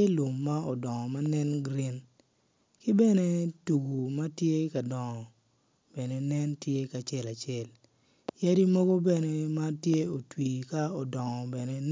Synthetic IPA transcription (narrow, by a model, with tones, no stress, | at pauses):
e˦lu˨mːa˦ɔ˨dɔ˨ŋɔ˨ma˦nɛ˦nɡɾi˦n | kɪ˦bɛ˦ne˦tu˨ɡu˨ma˦tje˦ka˨dɔ˨ŋɔ˨ | b̥ɛ˨ne˨nɛ˦ntje˦ka˨t͡ʃɛ˦la˨t͡ʃɪɛ˦l | ja˦di˦mo˦ɡo˦bɛ˦ne˨ma˦tje˦o˨twiː˨ka˦ɔ˨dɔ˨ŋɔ˨bɛ˨ne˦